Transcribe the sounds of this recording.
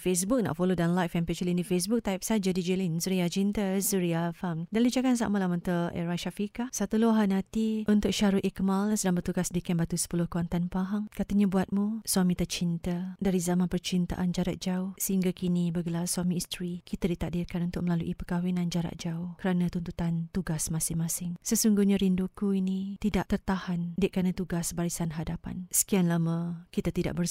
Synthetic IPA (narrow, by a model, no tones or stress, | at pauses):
fes̬buk̚na̰ʔfolodanlajfɛmpɛt͡ʃulinifes̬bʊk̚t̪ajp̚sad͡ʒadid͡ʒilinsuɾiat͡ʃint̪əsuɾiafamdanlid͡ʒakans̬a̰ʔməlamunt̪əɛ̰ɾaʃafikasat̪uloɦanãt̪iʔunt̪ʊk̚ʃaɾuʔikmalsədaŋbərt̪uɡasdikanbat̪usə̥pulʊhkawant̪anpaɦaŋkat̪əɲabuat̪̚muswamĩt̪ərt͡ʃint̪ədaɾizamãnpərt͡ʃint̪a̰ʔand͡ʒaɾa̰ʔ̪̚d͡ʒausəɦiŋɡakinibəɡəlarswamĩːst̪ɾikit̪adit̪aʔdirkanunt̪ʊk̚məlaluʔipəkawinãnd͡ʒaɾa̰ʔ̪̚d͡ʒaukəɾanãt̪unt̪ut̪ant̪uɡasmãsɪŋmãsɪŋsəsuŋɡuhɲaɾindukuinĩt̪idaʔt̪ərt̪ahandiʔkanãt̪uɡasbaɾisanɦadapa̰nsə̥kianlamakit̪at̪ida̰ʔ̚bər